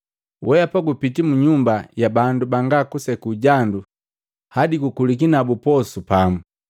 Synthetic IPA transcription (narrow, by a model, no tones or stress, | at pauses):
wʔɛjapaɡupitimuɲumbajabandubaŋɡakusɛkuːɟandu | hadiɡukulik̬inabupɔsupamu